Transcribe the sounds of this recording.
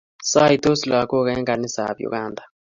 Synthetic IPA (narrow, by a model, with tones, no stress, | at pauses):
sa˦i˨to˦sla˨kɔ˦kɛ˦ŋɡa˨ni˦sa̰˨bjṵ˨ɡa˦˨ndʱa˨